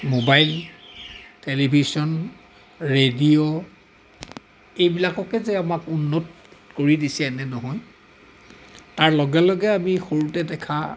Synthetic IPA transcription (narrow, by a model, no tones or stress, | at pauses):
mobajl | telibʱisɔn | ɹedio | ejbilakɔkɛzɛamakunːɔt | koɹidisɛɛnɛnɔɦɔj | taɹlɔɡɛlɔɡɛamixoɹutɛdɛkʰa